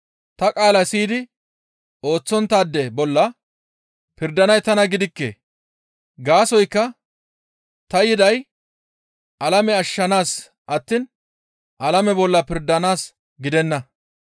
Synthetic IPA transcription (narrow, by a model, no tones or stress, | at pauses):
t̪ɐkʼaːlɐsiːd̪ɪ | o̞ːt͡sːɔnt̪ːaːd̪ːɛbɔlːɐ | pɪɾd̪ɐnɐjt̪ɐnɐɡɪd̪ɪkːḛ | ɡaːsɔjkːɐ | t̪ɐjɪd̪ɐj | ʔɐlɐmɛɐʃːɐnaːs | ʔɐt̪ːiːn | ʔɐlɐmɛbɔlːɐpɪɾd̪ɐnaːs | ɡɪd̪ɛnːɐ